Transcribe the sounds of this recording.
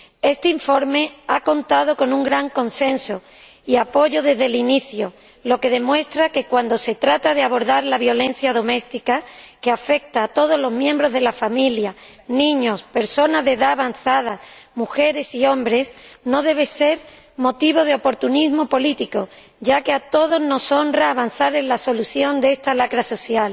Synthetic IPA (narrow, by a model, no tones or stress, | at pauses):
e̞st̪eiɱfo̞ɾme̞ako̞nt̪að̞o̞ko̞nũŋɡɾaŋko̞nsẽ̞nso | iapo̞ʝo̞ðe̞zðeliniθjo | lo̞ke̞ð̞e̞mwe̞st̪ɾake̞kwand̪o̞se̞t̪ɾat̪að̞e̞aβo̞ɾðaɾlaβjo̞lẽ̞n̟θjaðo̞me̞st̪ikake̞afe̞k̚t̪aːt̪o̞ð̞o̞zlo̞zmjẽ̞mbɾo̞zð̞e̞lafamilja | nĩɲo̞spe̞ɾso̞nazðe̞ðaːβan̟θað̞amuxe̞ɾe̞sio̞mbɾe̞sno̞ðe̞β̞e̞se̞ɾ | mo̞t̪iβ̞o̞ð̞e̞o̞po̞ɾt̪unizmo̞po̞lit̪iko̞ | ɟ͡ʝake̞at̪o̞ðo̞zno̞so̞nraːβanθaɾe̞nlaso̞luθjo̞nd̪ee̞st̪alakɾaso̞θjal